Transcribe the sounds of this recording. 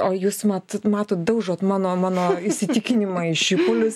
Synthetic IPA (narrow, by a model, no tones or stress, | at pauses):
oːjuːsmɑt̪mɑːt̪oːt̪d̪ɐʊʒoːt̪mɑːnoːmɑːnoːɪʃʲsʲɪt̪ʲɪkʲɪnʲɪmɐɪʃɪpʊlʲʊs